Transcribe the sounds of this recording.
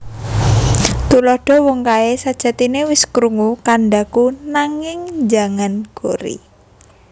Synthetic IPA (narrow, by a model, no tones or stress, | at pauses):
t̪ulɔɖ̥ɔ̤wɔŋkaesad̥ʒ̥ä̤t̪inewɪskɾuŋukanɖakunaŋɪŋd͡ʒaŋanɡ̥oɾḭ